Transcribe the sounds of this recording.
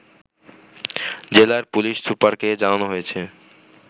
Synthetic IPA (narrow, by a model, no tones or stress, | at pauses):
d͡ʑelaɾpuliʃsupaɾked͡ʑananoɦojet͡ɕʰe